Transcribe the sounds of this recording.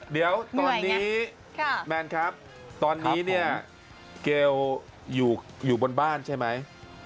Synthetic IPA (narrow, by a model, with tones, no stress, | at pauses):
di˩˦əwt̪ɔ˨˧˩njniː˦˥˩ | mɛː˧nkʰɾa˦˥p̚ | t̪ɔː˧nːiː˦˥ni˥˩ɐ | keː˧w | juː˨˩ | juː˨˩bo˧nbaː˥˩nt͡ɕʰa˥˩jma˦˥j